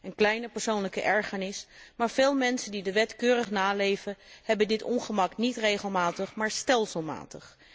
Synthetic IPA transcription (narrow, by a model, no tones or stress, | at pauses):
ənklɛjnəpəɹsownləkəʔɛɹχənɪsmaːɹv̥eːlˠmɛnsəndidəʋɛtkøːrəχnaːlejvəhɛbəndɪtɔnχəmɑknitrejχəlˠmaːtəχmaːɹstɛlˠsəlˠma̰ːtəχ